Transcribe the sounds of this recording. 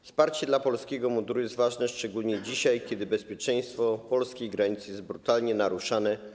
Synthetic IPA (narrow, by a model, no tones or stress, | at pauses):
fspaɾt͡ɕɛd̪lapɔlskʲɛɡɔmud̪ɾujɛst̪vaʐnɛʂt͡ʂɛɡulɲɛd͡ʑiɕajkʲjɛd̪ɘbɛspʲjɛt͡ʂɛj̃st̪fɔpɔlskʲejɡɾaɲit̪sjɛzt̪̚bɾut̪alɲɛnaɾuʂanɛ